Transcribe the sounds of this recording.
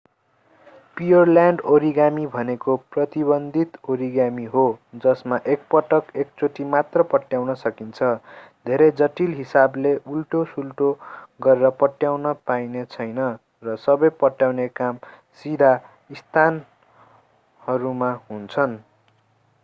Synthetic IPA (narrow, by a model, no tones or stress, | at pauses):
pijʌrljaɳɖoɾiɡamibʱʌnekoprʌt̪ibʌnd̪ʱit̪oɾiɡamiɦod͡zʌsmaʔek̚pʌʈʌkek̚t͡soʈimat̪rʌpʌʈjawnʌsʌkint͡sʰʌd̪ʱeɾʌjd͡zʌʈilɦisableʔulʈosulʈoɡʌɾeɾʌpʌʈjawnʌpainet͡sʰʌjnʌ | rʌsʌbʌjpʌʈjawnekam | sid̪a | ist̪ʰan | hʌɾumaɦunt͡sʰʌn